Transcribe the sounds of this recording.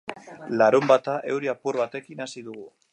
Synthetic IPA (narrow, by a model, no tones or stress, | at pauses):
laɾumbat̪aʔe̞wɾiapuɾβat̪e̞kinasiðuɣu